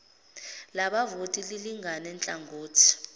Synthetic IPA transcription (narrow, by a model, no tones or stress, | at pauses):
laɓavotʼililiŋʱanɛnt͡ɬʼaŋɡʱoːtʰi̥